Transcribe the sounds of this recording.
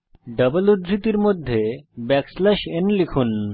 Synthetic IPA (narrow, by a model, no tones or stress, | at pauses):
ɖəbəlud̪ɾit̪iɾmod̪ʱːebɛkslɛʃenlikʰun